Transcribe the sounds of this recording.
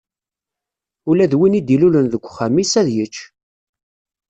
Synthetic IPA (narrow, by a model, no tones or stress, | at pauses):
ʊlæðwinid̪ilulənðəɡʷːχæmisæðjət͡ʃː